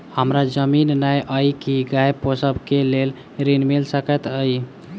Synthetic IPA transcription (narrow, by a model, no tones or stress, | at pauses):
həmɾad͡ʒəminnajʔəjkiɡajposəbkelel | ɾinmelsəkət̪əj